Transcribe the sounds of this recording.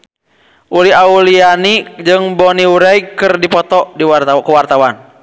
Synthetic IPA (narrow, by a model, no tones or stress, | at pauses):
ʔuliaulianid͡ʒɨŋbɔniuɾɛiɡkɨrdipɔt̪ɔdiwakuwart̪awan